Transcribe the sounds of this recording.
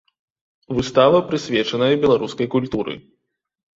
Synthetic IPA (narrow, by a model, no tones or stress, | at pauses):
vɨst̪avɐpɾɨsʲvʲɛt͡ʂɐnɐjɐbʲɛlˠaɾuskɐjkulʲt̪uɾɨ̰